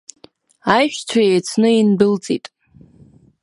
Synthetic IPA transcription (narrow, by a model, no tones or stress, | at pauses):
ajʃᶣt͡ɕʷʰajejt͡sʰnɨinbɨlt͡sʼitʼ